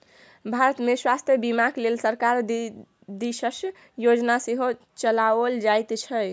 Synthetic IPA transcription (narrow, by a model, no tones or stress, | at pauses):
bʱaɾət̪meswast̪ʰjəbimaklelsəɾkaɾ | d̪iʃəs | jod͡ʒnaseɦo | t͡ʃəlaold͡ʒajt̪t͡ʃʰə